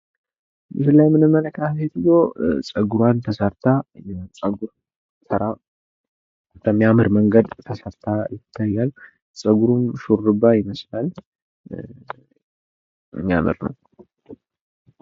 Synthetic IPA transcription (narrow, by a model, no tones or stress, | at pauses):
jɨsɨlːajmɨnɨmːənəkʰafet̪ɡosʼəɡuɾwant̪ʰəsəɾt̪ʰajɛt͡sʼəɡuɾ | sɨɾa | k̪əmːijamɨɾməŋɡəd̪t̪ʰəsəɾt̪ʰajɪt̪ʰːajːal | sʼəɡuɾumʃuɾːɨbːajɪməslal | ɨ̰mːijamɨ̰ɾnə̰w